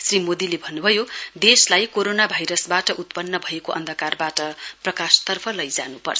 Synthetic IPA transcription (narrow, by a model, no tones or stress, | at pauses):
srimod̪ilebʱʌnːubʱʌjod̪eslajkoɾonabʱajɾʌsbaʈʌʔut̪pʌnːʌbʱʌekoʔʌ̰nd̪ʱʌkarbaʈʌprʌkast̪ʌrpʰʌlʌjd͡za̰nupʌ̰rt͡sʰʌ